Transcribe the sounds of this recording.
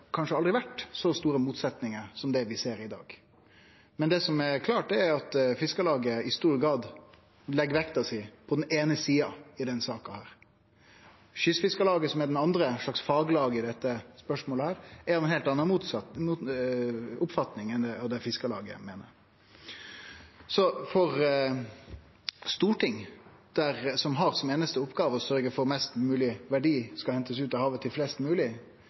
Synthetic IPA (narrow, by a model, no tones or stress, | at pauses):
kʰɑnʂəɑld̪ɾɪʋæʈsɔst̪uːɾəmuːt̪sɛt̪nɪŋəɾsɔmd̪ɛʋɪseːɾɪd̪ɑ̰ːɡ | mɛnd̪ɛːsɔmɛɾkʰlɑːʈ̚d̪ɛɛɾɑt̪fɪskəlɑːɡəɪst̪uːɾɡɾɑːd̪ | lɛɡʋɛkt̪ɑʋsɪpʰɔd̪ɛneːnəsiːɑɪd̪ɛnsɑːkɑhæːɾ | ʃʏsfɪskəlɑːɡəsɔmɛɖɛnɑnd̪ɾəʂɭɑksfɑːɡlɑːɡəɪd̪ɛt̪ːəspœʂmoːləhæːɾæɾɛnheːlt̪ɑnːəmuːt̪sɑmuː | ʊpfɑt̪nɪŋɛnd̪ɛɑd̪ɛfɪskəlɑ̰ːɡə̰meːnə̰ɾ | sɔfɔʁ | st̪uːʈɪŋ | d̪̥æʁsɔmɦɑɾsɔmeːnəst̪əʊpːɡɑːʋəɔsœɾɡəfɔɾmɛst̪mʉːlɪʋæɖiːskɑhɛnt̪əsʉːt̪ɑhɑːʋət̪ʰɪlflɛst̪mʉːlɪ